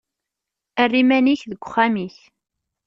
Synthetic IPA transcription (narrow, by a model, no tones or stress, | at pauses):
ərːimæniçðəɡʷʊχːamiç